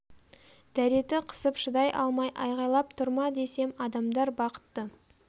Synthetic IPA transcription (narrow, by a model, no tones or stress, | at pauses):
d̪̥æɾe̞t̪ɪqʰə̥səpʃəd̪ɑjʔɑ̰lˠmɑjʔɑ̰jʁɑjlˠɑp̚t̪ʰʊɾmɑd̪e̞se̞mɑd̪ɑmd̪ɑɾbɑqə̥t̪ːə